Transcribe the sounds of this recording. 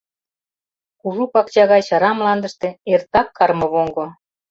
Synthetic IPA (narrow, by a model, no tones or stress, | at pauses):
kuʒupɑkt͡ɕɑɣɑjt͡ɕɑɾɑmlɑnd̪ə̆ʃt̪eert̪ɑkːɑrmɤ̆βoŋɡŏ